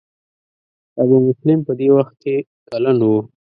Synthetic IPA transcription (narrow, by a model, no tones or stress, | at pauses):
abumʊslɪmpəd̪ewaxt̪̚ke | kalanwu